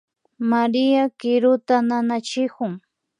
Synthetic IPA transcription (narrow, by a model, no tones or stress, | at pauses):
maɾɪjakɪɾʊt̪ananat͡ʃɪkʊŋ